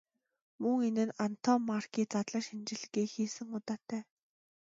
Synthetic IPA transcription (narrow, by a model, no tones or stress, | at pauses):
mɵŋenɘ̆nan̥t̪ʰɔmarkiːt͡sat̪ɮăʃint͡ɕɪ̆ɮ̆ɣiːxiːsɘ̆ŋʊt̪aːt̪ʰːæː